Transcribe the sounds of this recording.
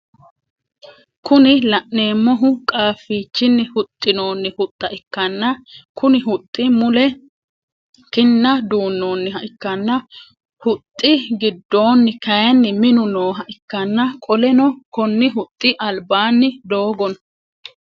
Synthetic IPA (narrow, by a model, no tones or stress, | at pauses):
kʊnɪlɐʔnːe̞ːmːɔɦʊkʼaːfːiːt͡ʃːɪnːɪhʊt̪ʼːɪno̞ːnːɪhʊt̪ʼːɐʔɪkːɐnːɐkʊnɪɦʊt̪ʼːɪmʊlɛ | kɪnːɐd̪uːnːo̞ːnːɪɦɐʔɪkːɐnːɐ | hʊt̪ʼːɪɡɪd̪ːo̞ːnːɪkɐjɐnːɪmɪnʊnoːɦɐʔɪkːɐnːɐkʼɔlɛnɔkɔnːɪɦʊt̪ʼːɪʔɐlbaːnːɪd̪o̞ːɡɔnɐ̥